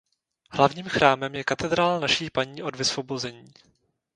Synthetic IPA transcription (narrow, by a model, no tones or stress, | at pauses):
hlavɲiːmxɾʔaːmɛmjɛkat̪ɛd̪ɾaːlnaʃiːpaɲiːʔo̞dvɪsvo̞bo̞zɛɲiː